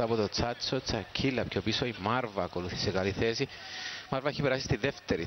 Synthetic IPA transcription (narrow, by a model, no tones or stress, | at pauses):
ɐpot̪ot͡sat͡sːot͡sɐcʰːilːɐpçʰopiso̞imɐɾvɐːko̞luθi̥sekɐliθe̞si | mɐɾvɐeçipeɾasi̥st̪inðeft̪eɾi